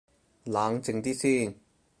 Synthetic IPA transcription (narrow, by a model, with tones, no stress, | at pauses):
laː˨˧ŋt͡sɪ˧ŋt̪iː˥siː˥˩n